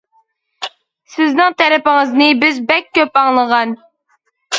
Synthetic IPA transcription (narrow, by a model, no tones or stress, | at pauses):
sɪznɪŋt̪ʰɛɾɪpɪŋəznɨbɪzbɛkʲʰːøpɑŋlˠəʁɑn